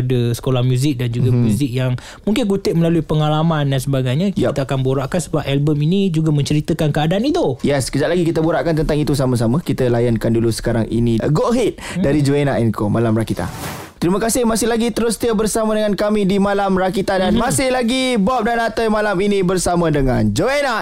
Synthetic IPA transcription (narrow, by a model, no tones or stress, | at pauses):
dəsə̥kolahmjuzɪk̚dand͡ʒuɡamjuzɪk̚jaŋ | muŋkɪnkut̪ɪʔ̚məlaluipəŋalamandansəbaɡajɲãkit̪əakanboɾaʔkansəbap̚ʔɛlbəminid͡ʒuɡamə̃ɲt͡ʃəɾit̪əkankəadaʔːnit̪ujɛskəd͡ʒaʔlaɡikit̪əbuɾaʔkant̪ənt̪aŋit̪us̬aməs̬aməkit̪əlajankandulusə̥kaɾa̰ŋḭniɡoʔɦɪt̪̚daɾid͡ʒoenaʔɛnkomalamɾakit̪a̰ | t̪ɾiməkasɪhmasɪhlaɡit̪əɾʊst̪iəbərsamədəŋankamidimalamɾakit̪adanmasɪhlaɡibɔp̚danat̪əjmalaminĩbərsamə̃dəŋand͡ʒoenaʔ